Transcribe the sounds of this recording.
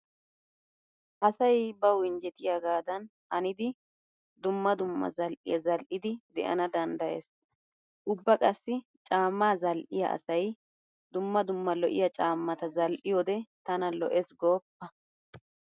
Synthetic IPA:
hɐsɐjbɐwɪnd͡ʒɛt̪ɪjaɡaːd̪ɐnhɐnɪd̪ɪ | d̪ʊmːɐd̪ʊmːɐ̰zɐlʔɪ̰jɐzɐlʔɪd̪ɪd̪ɛ̰ʔɐ̰nɐd̪ɐnd̪ɐjḛːs | ʔʊbːɐkʼɐsːɪ | t͡ʃʼaːmːaːzɐlʔɪjɐ̰ʔɐ̰sɐj | d̪ʊmːɐd̪ʊmːɐlɔʔɪ̰jɐt͡ʃʼaːmːɐt̪ɐzɐlʔɪjod̪ɛt̪ɐnɐlɔ̰ʔɛsɡoːpːɐ

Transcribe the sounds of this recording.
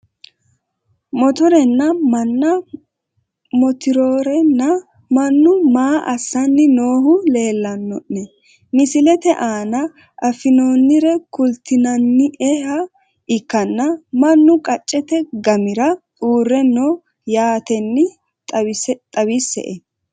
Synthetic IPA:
mɔt̪ɔɾɛnːɐmɐnːɐ | mɔt̪ɪɾoːɾɛnːɐ | mɐnːʊmaːʔɐsːɐnːɪno̞ːɦʊle̞ːlːɐnːɔʔːɛ | mɪsɪlɛt̪ɛʔaːnɐ | ʔɐfɪno̞ːnːɪɾɛkʊlt̪ɪnɐnːɪʔɛɦɐ | ɪkːɐnːɐmɐnːʊkʼɐt͡ʃʼːɛt̪ɛɡɐmɪɾɐtʼuːrːɛnoː | jaːt̪ɛnːɪ | t̪ʼɐbisːɛ̰ʔɛ

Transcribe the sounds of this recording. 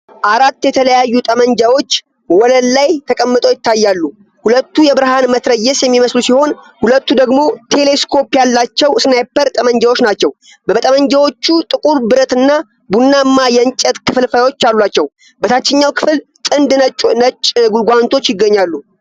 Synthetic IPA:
ʔaɾat̪ːjɛt̪ʰələjajːut̪ʼəməɲd͡ʒawo̞t͡ʃː | wɔləlːajt̪ʰəkʼəmːɨt̪ʼojɪt̪ːajːalːu | hulət̪ːujɛbɨɾhanmət̪ɾəjːɛsjɛmːiməslusiho̞n | hulət̪ːud̪əɡmo̞t̪ʰe̞le̞skʰo̞pjalːat͡ʃːɛwsnajpːəɾt̪ʼəməɲd͡ʒawo̞t͡ʃːnat͡ʃːɛw | bəbət̪ʼəməɲd͡ʒawo̞t͡ʃːut̪ʼɨkʼuɾbɨɾət̪ɨnːa | bunːamːajɛnt͡ʃʼːɛt̪kʰɨflfəawo̞t͡ʃːalulat͡ʃːɛw | bət̪ʰat͡ʃːɛɲːawkʰɨfɨlt̪ʼɨnd̪ʼnət͡ʃʼːɡulɡʷant̪ʰo̞t͡ʃːjɪɡːəɲːalːu

